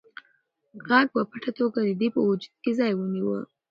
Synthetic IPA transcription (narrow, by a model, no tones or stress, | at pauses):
ɣaɡ̚pəpaʈat̪oɡad̪əd̪epəwʊd͡ʒud̪̚kezɑjwəniwə̰